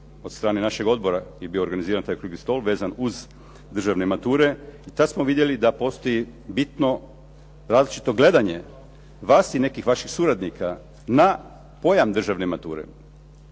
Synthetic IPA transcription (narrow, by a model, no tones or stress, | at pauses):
o̞t̪st̪ɾaːnenaʃe̞ɡo̞d̪boɾajebioɾɡaniziːɾant̪ajkɾuɡist̪o̞lʋeːzanuz | d̪r̩ʒaʋnemat̪uːɾe̞it̪ad̪smoʋid̪je̞lid̪apo̞st̪o̞jibit̪no̞ | ɾaːzlit͡ʃi̥t̪o̞ɡle̞d̪aɲe̞ | ʋaːsine̞kixʋaʃixsuɾad̪nika | na | po̞jamd̪r̩ʒaʋnemat̪ṵːɾḛ